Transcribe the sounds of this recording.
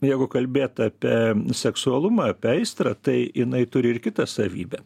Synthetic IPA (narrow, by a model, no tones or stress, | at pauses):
jɛɪɡʊkɐlʲbʲeːt̪ɑːpʲisʲɛksʊɐlˠʊmɐɐpʲɛɛɪst̪ɾɐt̪ɐɪjɪnɐɪt̪ʊɾʲɪɪɾkʲɪt̪ɐsɐʋʲḭːbʲɛ